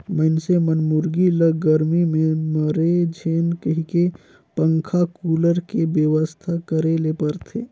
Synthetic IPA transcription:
məɪnsemənmʊɾɡiləɡəɾmimẽməɾed͡ʒʱeːnkəɦike | pə̃ŋkʰakuːləɾkebjəʋəst̪ʰakəɾelepəɾt̪ʰeː

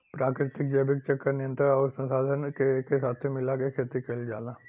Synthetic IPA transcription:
pɾaːkɾɪt̪ɪkd͡ʒɐːbɪk̚t͡ʃɐkːəɾnɪjə̃nt̪əɾɔːɾsɐ̃msaːd̪ʱənkekesaːt̪ʰemɪlakekʰeːt̪ɾikɐɪld͡ʒa̰ːlaː

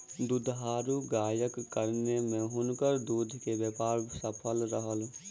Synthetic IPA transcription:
d̪ʊd̪ɦaːɾuɡaːjəkːəɾnemẽɦʊnkəɾd̪uːd̪ʱkeʋjəpaːɾbsəpʰəlɾəɦəl

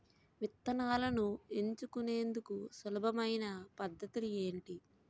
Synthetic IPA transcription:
mit̪ːɐnaːlɐnueɲt͡ʃukune̞ːnd̪ukusulɐbʱɐmɐjnɐpɐd̪ʱːɐt̪ulue̞ːɳʈi

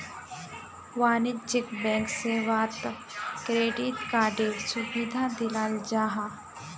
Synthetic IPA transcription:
waːnɪt̪d͡ʒɪkbɛ̃ːŋkseːʋaːt̪ | kɾeːɖit̪kaːɖeːlsubid̪ʱãːd̪ɪlaːld͡ʒaːɦã

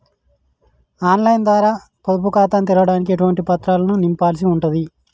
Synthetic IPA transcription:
aːnlɐjnd̪ʋaːɾaː | pod̪upukaːt̪ɐːnt̪̬ɛlɐʋɐɽaːnik̬ieʈuʋɐɳʈipɐt̪ɾaːlɐnunimpaːls̬iuɳʈud̪i

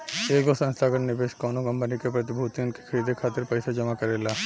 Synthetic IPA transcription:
eːɡosɐ̃nst̪ʰaːɡəɳnɪbeːʃkɔːnoɡɐ̃mpənikepɾɐt̪ɪbʱuːt̪iʊnke̥kʰɐɾiːd̪ʱekʰaːt̪ɪɾpəjsad͡ʒɐmakɐɾeːlaː

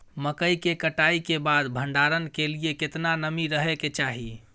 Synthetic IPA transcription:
məkəikekəʈaikebad̪bʱəɳɖaɾənkelijeket̪nanəmiɾəɦeket͡ʃaɦi

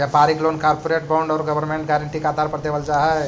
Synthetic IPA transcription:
japaɾiklonkaɾpoɾeʈ̚bãɳɖɔːɾɡəbəɾmeɳʈɡɛɾəɳʈikad̪ʱaɾpəɾd̪ebəlt͡ʃaɦɛ

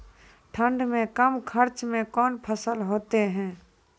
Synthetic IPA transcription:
ʈʰə̃ɳɖmẽkəmkʰəɾt͡ʃmẽkɔːnpʰəsəlɦoːt̪eɦɛ̃ː

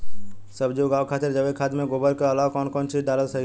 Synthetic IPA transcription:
səbd͡ʒoːɡaːʋkʰaːt̪ɪɾd͡ʒəʋekʰaːd̪mẽɡoːbəɾkəəlaʋkɔːnkɔːnt͡ʃid͡ʒɖaːɾəlsəɦ

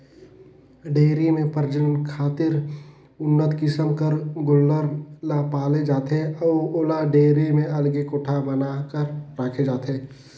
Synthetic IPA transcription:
ɖeːɾemẽpəɾd͡ʒənnkʰaːt̪ɪɾ | ʊnːət̪kɪsəmkəɾɡʊlːəɾlapaːled͡ʒaːt̪eɔːoːlaɖeːɾemẽɐlɡekoːʈʰabənakəɾːaːkʰed͡ʒaːt̪eː

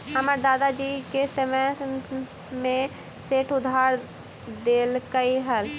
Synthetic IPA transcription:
əməɾd̪aːd̪ad͡ʒiːkesəmə | mẽ | seːʈʰʊd̪ʱaːɾ | d̪eːlkəiɦəl

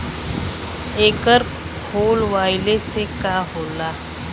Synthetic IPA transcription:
ekəɾ | kʰolʋajlesekaɦola

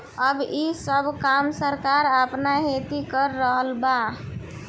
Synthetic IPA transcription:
əbisəbʱkamsəɾkaɾəpnaɦet̪ikəɾːəɦəlba

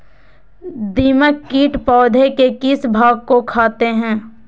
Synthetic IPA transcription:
d̪iːməkːiːʈpɔːd̪ʱekekɪsbʱaːɡ̚kokʰaːt̪eɦɛ̃ː

